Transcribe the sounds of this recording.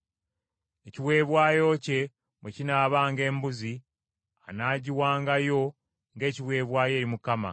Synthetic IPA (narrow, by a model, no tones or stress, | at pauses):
e̞ciwe̞ːβwaːjo̞ce̞ | mwecinaːβaːŋɡe̞ːmbuzi | anaːɟiwaːŋɡajo̞ | ŋɡe̞ːciβwe̞ːβwaːje̞ːɾimukama̰